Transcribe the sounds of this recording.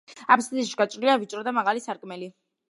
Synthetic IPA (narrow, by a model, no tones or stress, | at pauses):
apʰst̪iʃi̥ɡat͡ʃʼɾiliavit͡ʃʼɾɔd̪amaʁalisaɾkʼmɛli